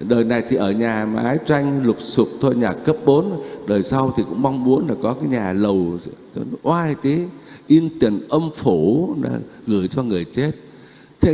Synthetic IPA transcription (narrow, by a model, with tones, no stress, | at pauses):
ɗəː˨˩jna˨˩jt̪ʰi˨˩ʔəː˧˩ɲaː˨˩ma̰ː˨˦jt͡ɕwa˧jŋ̟lʊ˨˩k͡p̚sʊ˨˩k͡p̚t̪ʰo˧jɲaː˨˩kə˦˥p̚ɓo˨˦nɗəː˨˩jsa˧wt̪ʰi˨˩kʊ̰˧˥ŋ͡mma˧wŋ͡mmu˨˦ənlaː˨˩kɔ˨˦kaː˨˦jɲaː˨˩lə˨˩w | ʔwaː˧jt̪i˨˦ʔi˧nt̪i˨˧˩nʔə˧mfu˧˩la̰ː˧˩ɣɨ˧˩əjt͡ɕɔ˧ŋɨ˨˩əjt͡ɕe˦˥t̚ | t̪ʰe˧˦